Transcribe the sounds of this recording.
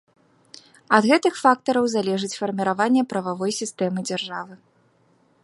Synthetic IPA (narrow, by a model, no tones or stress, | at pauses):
ɐd̪ɣɛt̪ɨxfak̚t̪ɐɾɐwzalʲɛʐɨt͡sʲfɐrmʲiɾavanʲːɛpɾɐvavɔjsʲist̪ɛmɨd͡zʲarʐavɨ